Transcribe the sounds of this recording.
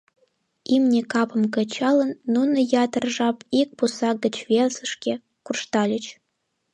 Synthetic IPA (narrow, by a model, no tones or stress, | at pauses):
imnʲekɑpɤ̆mkɤ̆t͡ɕɑlˠə̆nːunɤ̆jɑt̪ərʐɑpik̚pusɑɡə̆t͡ɕvʲelzə̆ʂkʲe | kurʂt̪ɑlʲə̆t͡ɕ